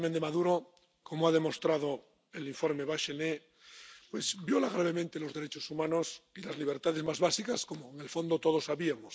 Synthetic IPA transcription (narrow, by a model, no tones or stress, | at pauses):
mẽnd̪emaðuɾo | komoaðe̞mo̞st̪ɾaðo | eliɱfoɾmeβaʃene | pwezbjolaɣ̞ɾaβ̞e̞mẽnt̪elo̞zðe̞ɾet͡ʃosumãnosilazliβ̞eɾt̪að̞ezmazβasikaskomoeŋe̞lfo̞nd̪ot̪oð̞osaβiamos